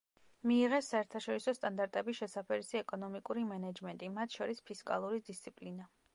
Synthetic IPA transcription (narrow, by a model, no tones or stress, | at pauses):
miːʁɛsaɛɾt̪ʰaʃɔɾisɔst̪ʼand̪aɾt̪ʼɛbiʃɛsapʰɛɾisiɛkʼɔnɔmikʼuɾimɛnad͡ʒmɛnt̪ʼimat̪ʰʃɔɾispʰiskʼa̰lˠuɾid̪ist̪sʰipʼlina